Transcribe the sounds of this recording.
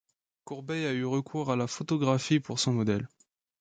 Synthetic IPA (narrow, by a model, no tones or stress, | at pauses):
kuʁbɛjayʁəkʰuʁalafot̪ɔɡʁafipuʁsɔ̃mɔd̪ɛl